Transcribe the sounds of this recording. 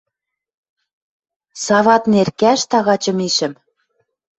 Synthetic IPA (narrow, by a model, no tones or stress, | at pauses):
sɑvɑt̪nerkæʃt̪ɑɣɑt͡ɕɤ̆miʃɘ̆m